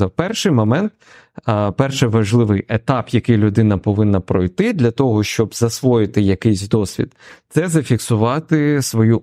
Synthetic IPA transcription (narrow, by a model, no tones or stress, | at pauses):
ɐwpɛrʃɪjmɔmɛnt̪ | pɛrʃɛʋɐʒlˠɪʋɪjet̪ɑpjɐkɪjlʲʊd̪ɪnɐpɔʋɪnːɐpɾɔjt̪ɪd̪lʲɐt̪ɔɦɔʃt͡ʃɔbzɐsʋɔjɪt̪ɪjɐkɪjsʲd̪ɔsʲʋʲḭd̪t̪sɛzɐfʲiksʊʋɑt̪ɪsʋɔju